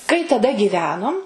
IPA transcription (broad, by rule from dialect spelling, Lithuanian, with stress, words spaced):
kɐɪ tɐˈdɐ ɡʲiːˈʋʲæːnoːm